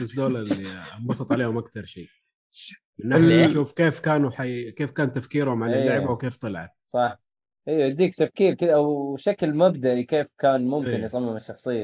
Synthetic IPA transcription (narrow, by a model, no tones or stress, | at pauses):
ɪsd̪oːlɑimbɑsˤɑt̪ˤʕaleːhʊmʔakt̪ɑɾˤʃiː | mɪnːajaʃuːfkeːfkaːnuħajkeːfkaːnt̪afkiːɾhʊmʕanɪlːjːaʕɪbawkeːft̪ˤɑlɑʕɑ̰t̪̚sˤɑħ | ʔijːʕad̪iːkt̪afkiːɾkɪd̪ʔawʃaklmabd̪aʔikeːfkaːnmʊmkɪnjsˤɑmːɪmɪʃːɑxsˤɨjːa